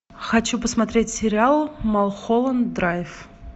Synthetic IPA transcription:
xɐt͡ɕupəsmɐt̪ɾʲetʲsʲɪɾʲɪalˠmɐlˠxolˠənd̪ɾajɪf

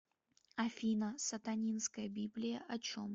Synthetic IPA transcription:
ɐfʲinəsɐt̪ɐnʲinskəjəbʲiblʲɪjəʔɐt͡ɕo̰m

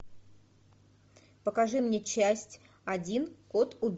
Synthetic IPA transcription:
pəkɐʐɨmnʲet͡ɕæsʲtʲ | ɐdʲinko̞t̪ʊbʲ

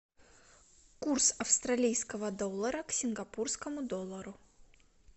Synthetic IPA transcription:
kursɐfst̪ɾɐlʲijskəvəd̪o̞lˠːəɾəksʲɪnɡɐpurskəmʊd̪olˠːəɾʊ

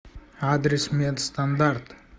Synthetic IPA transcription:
ad̪ɾismed̪st̪and̪aɾt̪

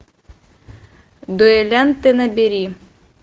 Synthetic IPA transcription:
d̪ɔɛlʲɛnt̪ɪnɐbʲiɾʲi

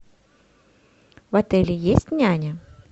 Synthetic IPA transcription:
vat̪ɛlʲɪjesʲtʲnʲanʲə

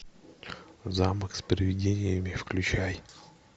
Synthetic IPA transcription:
zaməkspɾʲɪvʲɪdʲenʲɪjəmʲɪfklʲʉt͡ɕaj

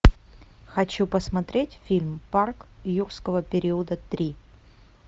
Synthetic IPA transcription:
xɐt͡ɕupəsmɐt̪ɾʲetʲfʲilʲmparkjurskəvəpʲɪɾʲiʊd̪ət̪ɾʲi

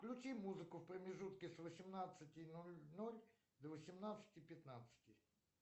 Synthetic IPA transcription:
klʲʊt͡ɕimuzɨkʊfpɾəmʲɪʐut̪kʲɪsvəsʲɪmnat̪sɨtʲɪnolʲnolʲ | d̪əvəsʲɪmnat̪sɨ̥tʲɪpʲɪt̪nat̪sɨ̥tʲɪ

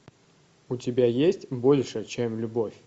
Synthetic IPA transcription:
ʊtʲɪbʲajesʲtʲbolʲʂət͡ɕemlʲʊbo̞fʲ

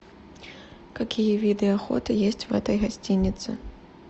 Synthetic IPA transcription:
kakʲijɐvʲid̪ɨaxɔ̰t̪ɨjesʲt͡sʲvɣɛ̰t̪ɐjɣasʲt͡sʲinʲːit̪sɨ̰

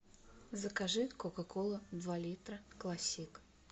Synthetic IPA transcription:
zəkaʐɨt̪kokakolˠəd̪valʲit̪ɾəklˠasʲik

